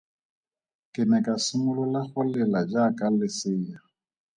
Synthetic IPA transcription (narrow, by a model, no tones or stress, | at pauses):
kʼɪmɛkʼasʊmʊlɔlaχʊlɛlad͡ʒakʼalɪsɪːja